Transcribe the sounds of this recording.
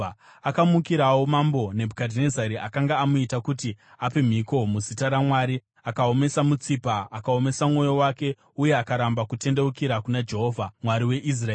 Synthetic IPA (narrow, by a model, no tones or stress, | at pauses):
akamukiɾawo̞mambo̞ne̞bʱukadʱne̞zaɾiʔakaŋɡaːmuitakuti | ape̞m̤iko̞muzitaɾamwaːɾi | akao̞me̞samut͡sipaːkao̞me̞samuŋo̞jo̞wake̞ | uje̞akaɾambakute̞nde̞ukiɾakunad͡ʒe̞ɦo̞ːvʱamwaɾiwe̞ʔis̬raː